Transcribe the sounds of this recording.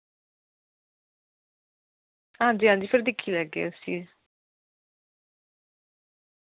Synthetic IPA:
ãːnd͡ʒiːãːnd͡ʒiːpʰɪɾd̪ɪkʰːiːlɛːɡḛːsiː

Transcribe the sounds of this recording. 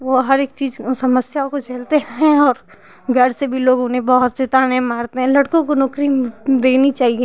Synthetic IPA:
ʋoɦɐɾeːk̚t͡ʃiːzsɐməsjaõkot͡ʃelt̪eɦɛ̃ɔːɾ | ɡʱɐɾsebʱiloːɡʊnɦẽbɔɦʊt̪t͡ʃet̪aːnẽmaːɾt̪eɦɛ̃lɐɽkõkonɔːkɾid̪eːnit͡ʃaːɦieː

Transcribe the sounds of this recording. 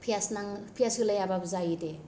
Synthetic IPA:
pʰijasnaŋpʰijasɯlajababzajide

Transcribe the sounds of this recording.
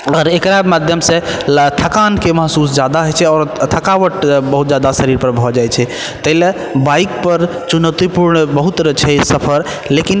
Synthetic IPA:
əəɾekɾamad̪ʱjəmset̪ʰəkankeməɦsusd͡ʒad̪aɦojt͡ʃʰɛɔːɾt̪ʰəkaʋəʈbəɦut̪̚d͡ʒjad̪asəɾiɾpəɾbʱɔd͡ʒajt͡ʃʰɛ | t̪əɦile | baik̚pəɾt͡ʃunət̪ipuɾɳbəɦut̪ɾət͡ʃʰɛsəpʰəɾ | lekin

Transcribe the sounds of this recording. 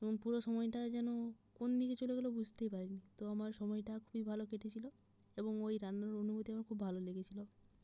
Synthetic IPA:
eoŋpuɾoʃɔmɔeʈad͡ʑɛnokond̪iket͡ɕoleɡelobud͡ʑʱt̪epaɾinit̪oamaɾʃɔmɔeʈakʰubibʱalokeʈʰet͡ɕʰilo | eboŋojɾanːoɾonubot̪iamoɾkʰubbʱaloleɡet͡ɕʰilo

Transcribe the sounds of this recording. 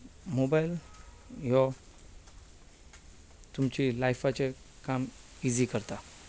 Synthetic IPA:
mobail | jɔ | t̪umt͡ɕilajfat͡ɕe | kam | id͡zikəɾt̪a

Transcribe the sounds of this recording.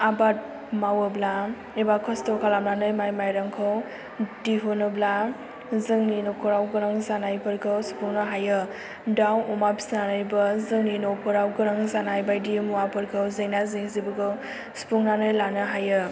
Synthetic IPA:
abat̚ | mawəbla | ibakʰɔstɔkʰalamlanɯjmajmajɾaŋkʰɔw | diɦunɯbla | zɯŋninokɔɾawɡɯɾaŋzanajpʰɯɾkʰɯwspuŋnɯɦajɯ | dawumabi̥snanajbɯzɯŋninopɔɾawɡɯɾaŋzanajbajdimuwapɯɾkʰɯwzɯjnazɯŋzibɯɡɯw | spuŋnanɯjlanɯɦajɯ

